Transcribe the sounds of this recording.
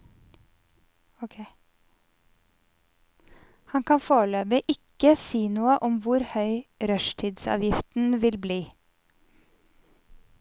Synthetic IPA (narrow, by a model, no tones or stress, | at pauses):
hɑŋkʰɑnfoːɭøːbəʔɪkəsiːnuːəʔɔmʋʊɾhœʏɾœʃʈʰiːd̪sɑ̰ːʋjɪft̪n̩ʋɪlbliː